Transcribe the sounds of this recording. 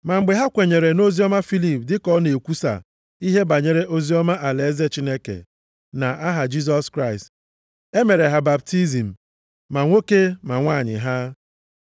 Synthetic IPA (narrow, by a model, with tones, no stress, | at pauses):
ma˨ŋ͡m̩˨ɡ͡be˨ɦa˦kʷe˨ɲe˨ɾe˨no˦zi˦ɔ˦ma˦fi˦li˨p̚dɪ˦kɔ˦ne˨kʷu˦sa̰˨ | i˦ɦe˦ba˨ɲe˨ɾe˦ʔo˦zi˦ɔ˦ma˦ʔa˨le˨e˦ze˦t͡ʃi˦ne˦kḛ˨ | na˨ʔa˦ɦa˨d͡ʒi˦s̬ɔ˦skɾa˦ɪ˨st | e˦me˨ɾe˨ɦa˨ba˨b̚ti˦zi˨m̩˨ | ma˨ŋʷo˦ke˦ma˨ŋʷaː˦˨ɲɪ̰˨ɦa˦